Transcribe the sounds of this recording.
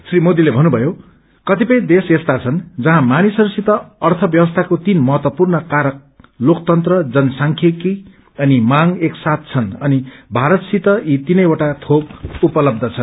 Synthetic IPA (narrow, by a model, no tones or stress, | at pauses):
srimod̪ilebʱʌnːubʱʌjo | kʌt̪ipʌj̃d̪esest̪at͡sʰʌnd͡zʌɦãmanisʌɾusit̪ʌːrt̪ʰʌbjʌbʌst̪ʰakot̪inmʌɦʌt̪wʌpurnʌkaɾʌk̚ | lokt̪ʌnt̪rʌd͡zʌnsaŋkʰeki | ʌnimaŋeksat̪̚t͡sʰʌnʌnibʱaɾʌt̪sit̪ʌit̪inʌjeʈat̪ʰokupʌlʌb̚d̪ʱʌt͡sʰʌn